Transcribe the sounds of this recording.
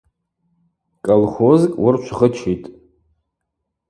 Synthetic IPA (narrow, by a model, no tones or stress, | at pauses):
kʼolχozkʼwʊrt͡ʃʷʰʁət͡ʃʰitʼ